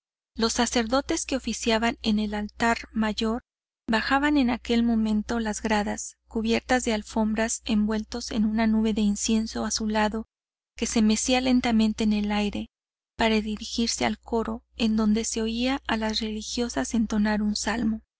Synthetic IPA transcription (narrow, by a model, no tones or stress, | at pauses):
lo̞sːase̞ɾðo̞t̪e̞ske̞o̞fisjaβane̞ne̞lalt̪aɾmaʝo̞ɾ | baxaβane̞nake̞lmõ̞mẽ̞nt̪o̞lazɣɾaðaskuβ̞je̞ɾt̪azðe̞alfo̞mbɾase̞mbwe̞lt̪o̞se̞̰nunanuβe̞ðe̞insje̞nso̞asulaðo̞ | ke̞se̞me̞siale̞nt̪amẽnt̪e̞ːne̞lajɾe̞ | paɾaðiɾixiɾse̞alko̞ɾo̞e̞nd̪o̞nd̪e̞se̞o̞iaʔːlasre̞lixjo̞sase̞nt̪o̞naɾunsalmo̞